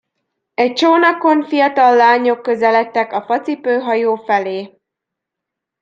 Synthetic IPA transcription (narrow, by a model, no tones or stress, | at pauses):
ɛc̚t͡ʃoːnɒko̞ɱfijɒt̪ɒlːaːɲo̞kːøzɛlɛt̪ːɛkɒfɒt̪sipøːɦɒjoːfɛleː